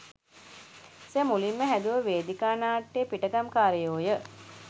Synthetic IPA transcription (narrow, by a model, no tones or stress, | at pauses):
semulimːəɦæd̪uʋəʋeːd̪ikaːnaːʈːeːpiʈəɡamkaːɾəjoːjə